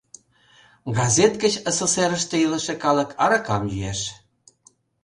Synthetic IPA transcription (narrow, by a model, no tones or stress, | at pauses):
ɡɑzʲet̪kət͡ɕəsoseɾəʃt̪ĕilə̆ʃĕkɑlə̆kʰɑɾɑkɑmjyeʃ